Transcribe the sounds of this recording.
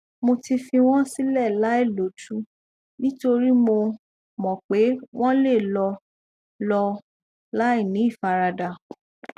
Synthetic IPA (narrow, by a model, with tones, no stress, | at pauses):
mo˧ti˧fĩ˧w̃ɔ̃˦si˦lɛ˦˨la˨˦e˦˨lo˨˦du˦ | nĩ˦to˧ɾi˦mo˧ | mɔ̃˨k͡pe˨˦w̃ɔ̃˦le˦˨lɔ˧ | lɔ˧ | la˦i˦˨nĩ˨˦i˦˨fa˧ɾa˧da˨